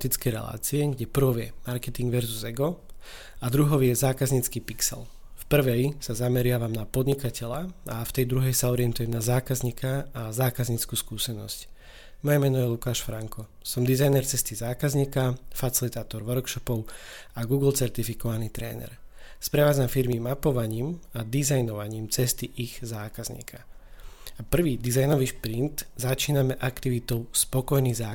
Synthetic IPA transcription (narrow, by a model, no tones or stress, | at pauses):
t̪it͡skɛjɾɛ̰la̰ːt͡siɛɡɟɛpr̩ʋɔʋjɛmaɾkɛt̪iŋɡʋɛɾzuzɛɡɔ | ad̪ɾuɦɔʊjɛzaːkazɲit͡skiːpiksɛ̰l | fpr̩ʋɛjsazamɛɾɪaʋamnapɔd̪ɲikacɛʎaaft̪ɛjd̪ɾuɦɛjsaɔɾɪɛnt̪ujɛmnazaːkazɲikaːzaːkazɲiːt͡skuːskuːsɛnɔ̰sc | mɔjɛmɛnɔjɛlukaːʃfɾaŋkɔ | sɔmd̪izajnɛɾt͡sɛst̪izaːkazɲiːkafat͡silit̪aːt̪ɔɾʋɔɾkʃɔpɔʊ | aɡuːɡl̩t͡sɛɾt̪ifikɔʋanit̪ɾɛ̰ːnɛ̰ɾspɾɛʋaːd͡zamfiɾmimapɔʋaɲiːmad̪izajnɔʋaɲiːmt͡sɛst̪iʔiɣzaːkazɲḭːkʰa | apr̩ʋiːd̪izajnɔʋiːʃpɾint̪zat͡ʃiːnamɛʔakt̪iʋit̪ɔʊspɔkɔjniɣzaː